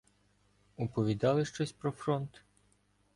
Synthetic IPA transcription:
ʊpɔʋʲid̪ɑlˠɪʃt͡ʃɔsʲpɾɔfɾɔnt̪

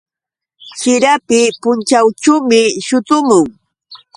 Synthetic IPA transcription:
sɪɾapɪpʊnt͡ʃawʈ͡ʂuwmɪʃʊt̪ʊmʊŋ

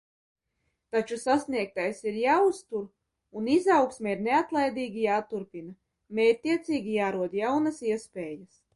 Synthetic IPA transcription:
t̪at͡ʃusasniɛk̚t̪ajsiɾjaːust̪uɾ | unizawksmʲeiɾneat̪lˠajd̪iːɡʲijaːt̪uɾpina | mɛːt̪iɛt̪siːɡʲijaːɾuɔd̪jawnɐsiɛspeːjɐs

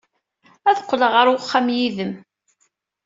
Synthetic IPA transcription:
æθəqʷːləʁəɾwχːæmjiðəm

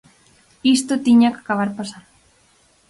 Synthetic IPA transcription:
ist̪ot̪iɲakakaβaɾpasan

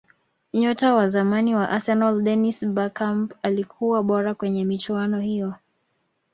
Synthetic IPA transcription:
ɲɔtawazamaniwaʔasɛnɔldɛnisbakampalikʰuwaɓɔɾakwɛɲɛmit͡ʃuanɔhijɔ

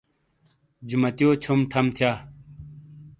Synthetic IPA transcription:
d͡ʑumɐt̪ijoːt͡ɕʰumʈʰɐmt̪ʰjaː

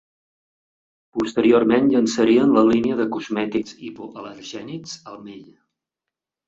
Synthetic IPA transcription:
pust̪əɾiormenʎənsəɾiənləliniəðəkuzmɛt̪ikzipoʔələɾʒɛnikzəlˠmeʎ

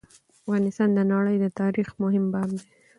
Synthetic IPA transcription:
afɣɑnɪst̪ɑnd̪ənɑɽəjd̪ət̪ɑɾixmʊɦɪmbɑbd̪e

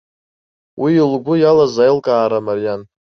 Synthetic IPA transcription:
wʔilɡʷʊjalazajlkʼaːɾamarjan

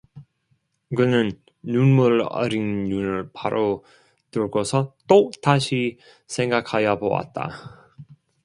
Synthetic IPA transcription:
kɯnɯnː | unmuɭʌ̰ɾinɲunɯɭpaɾʔo | tɯɭɡosʰʌt͈otaɕʰi | sʰe̞ŋɡakʰajʌbowa̰t̚t͈a̰

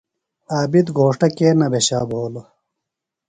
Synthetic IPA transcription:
aːbid̪ɡʱoːʂʈɐkeːnɐbeɕaːbʱoːlo

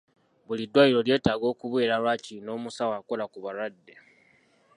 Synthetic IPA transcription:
βulidːwaːjiɾo̞lje̞ːtaɡo̞ːkuβwe̞ːɾalwaːcino̞ːmusawaːko̞lakuβaɾwadːe

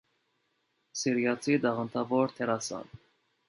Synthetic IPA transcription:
siɾjɑt͡sʰid̪ɑʁənt̪ʰɑvɔɾt̪ʰɛɾɑsɑ̰n

